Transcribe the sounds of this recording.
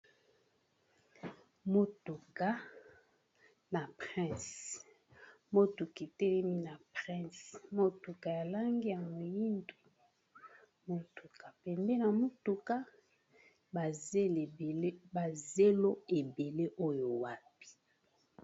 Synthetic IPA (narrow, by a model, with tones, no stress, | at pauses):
mo˦tu˨ka˦ | na˨pχɛ̃˦˨s | mo˦tu˨ki˨tɛ˦lɛ˦mi˦na˨pʁɛ̃˦˨smo˦tu˨ka˨ja˨la˦ŋɡi˦ja˨mo˨ji˦ndo̥˨ | mo˨tu˨ka˨pɛ˨mbɛ˦na˨mo˦tu˨ka˦ | ba˨ze˦lle˦ba˨ze˦lo˦e˨be˨le˦ʔo˦jo˨wa˦pi̥˨